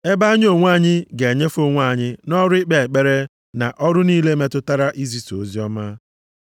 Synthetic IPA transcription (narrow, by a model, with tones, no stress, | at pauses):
e˦ba˦ɲ˦o˦˨ŋʷ˦a˦˨ɲɪ˦ɡe˨ɲe˦fo˦ŋʷa˦˨ɲɪ˦nɔ˦ɾʊ˦ɪ˦k͡pe˨e˨k͡pe˦ɾe˦ | na̰˨ʔɔ˦ɾʊ˦niː˦le˦me˦tʊ˦ta˦ɾa˦ʔi˦zi˦so˨zi˦ɔ˦ma˦